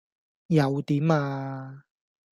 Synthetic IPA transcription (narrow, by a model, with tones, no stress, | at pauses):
jɐ˨˧wt̪iː˨˥maː˧